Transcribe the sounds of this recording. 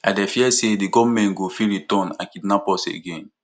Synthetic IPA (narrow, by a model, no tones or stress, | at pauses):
adɛfiɛsediɡɔvmɛ̃nɡofiɾitɔ̃nã̰kidnapɔsḛɡẽn